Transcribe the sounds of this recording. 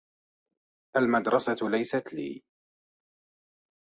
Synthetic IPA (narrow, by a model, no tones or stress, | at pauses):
ʔalmad̪ɾˤɑsalajsat̪lḭː